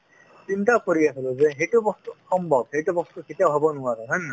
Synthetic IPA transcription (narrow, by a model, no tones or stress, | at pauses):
sintakɔɹiasilozɛɦejtubɔst̪usɔmbʱɔb̚ɦejtubɔst̪uket̪ijabʱabɔnʊwaɾɔɦɔnːa